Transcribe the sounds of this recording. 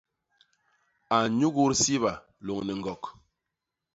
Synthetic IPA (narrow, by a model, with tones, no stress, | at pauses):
a˨ɲu˦ɣu˦ɾsi˦βa˨ | lo˨ŋnɛ˨ŋ̩˨ɡɔ˨k